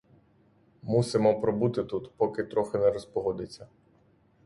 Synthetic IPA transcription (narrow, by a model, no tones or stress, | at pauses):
musɪmɔpɾɔbut̪ɪt̪ut̪pɔkɪt̪ɾɔxɪnɛɾɔspɔɦɔd̪ɪt͡sʲːɐ